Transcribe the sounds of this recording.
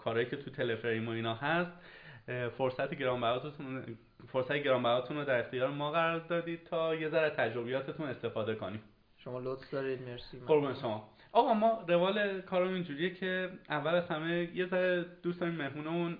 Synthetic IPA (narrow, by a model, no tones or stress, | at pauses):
kʰɒːɾɒːjiːcʰe̞t̪ʰut̪ʰe̞le̞fɾejmoiːnɒːɦæst̪ | foɾsæt̪ʰeɟeɾɒːmbæɾɒːt̪uu | foɾsæt̪ʰeɟe̞ɾɒːmbæɾɒːt̪ʰunrɾod̪æɾe̞xt̪ijɒːɾemɒːɣæɾɒːɾd̪ɒːd̪iːd̪̥̚t̪ʰɒːje̞zæɾæt̪ʰæd͡ʒɾo̞bejɒːt̪ʰe̞t̪ʰune̞st̪e̞fɒːd̪e̞koniːm | ʃomɒlot̪sd̪ɒɾid̪meɾsimɡo̞ɾbuneʃo̞mɒː | ʔɒːɣɒmɒːɾe̞vɒːlekʰɒːɾmind͡ʒuːɾijecʰe̞ævːælæzhæme̞je̞zæɾed̪̥usd̪ɒːɾiːmːe̞hmuːnemũn